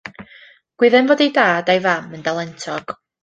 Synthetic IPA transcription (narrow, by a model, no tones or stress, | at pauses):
ɡ̥wɪðɛnvoːdejdaːdajvaməndalˠɛntʰɔɡ̥